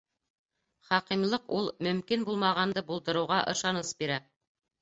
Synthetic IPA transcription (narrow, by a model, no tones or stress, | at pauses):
χɑqimlˠɤqulˠmɵ̆mkinbulˠmɑʁɑnd̪ɤbulˠd̪ɤ̆ɾɤ̆wʁɑʔɤ̰̆ʃɑnɤsbiɾæ